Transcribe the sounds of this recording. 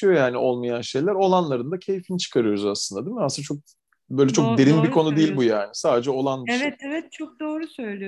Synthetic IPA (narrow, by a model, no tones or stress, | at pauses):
ɯjo̞jaːniʔo̞lˠmajanʃe̞jlʲæɾo̞lˠanlˠaɾɯnd̪acʰe̞jifint͡ʃʰɯ̥kʰaɾɯjoɾuzaslˠɯnd̪ad̪imasɯnat͡ʃʰo̞k̚ | bø̞ːlʲɛt͡ʃʰo̞k̚d̪e̞ɾimbikʰo̞nud̪eijilʲbujaːnisaːd̪ed͡ʒɛo̞lˠanevɛt̪ɛvɛt̪̚t͡ʃʰok̚d̪o̞ːɾusø̞jlʲij